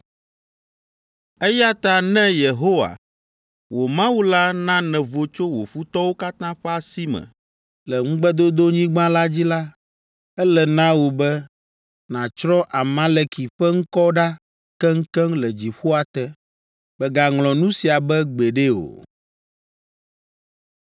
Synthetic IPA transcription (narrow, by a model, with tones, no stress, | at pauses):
ɛ˦ja˦t̪a˨nɛ̃˦je˨ɦo˦wa̰˨ | wo˨mã˦wu˦la˦nã˦nɛ̃˨vo˨t͡ʃo˦wo̰˨ɸu˦t̪ɔ˦wo˦ka˦t̪ã˦ɸɛ˦a˨si˦mɛ̰̃˨ | lɛ˨ŋ̩̃˦ɡ͡bɛ˦d̪o˦d̪o˦ɲĩ˦ɡ͡bã˦la˦d͡ʑi˦la˦ | ɛ˦lɛ˨nã˦wu˨bɛ˦ | nã˨t͡ʃɾɔ˦ʔa˨mã˦lɛ˦˨ki˨ɸɛ˦ŋ̩˦kɔ˦ɖa˦ | kɛ˦ŋ̩˦kɛ˦lɛ˨d͡ʑi˨ɸu˦a˨t̪ɛ˦ | bɛ˦ɡa˨ŋlɔ̃˨nũ˦si˨a˨bɛ˦ɡ͡be˨ɖe˦o̰˨